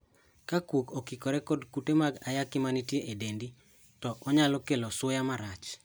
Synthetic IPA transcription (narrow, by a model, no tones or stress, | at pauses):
kakwokɔkikɔɾɛkɔdkutemaɡajakɪmanitjeʔedendi | tɔʔɔɲalɔkelɔswojamaɾat͡ʃ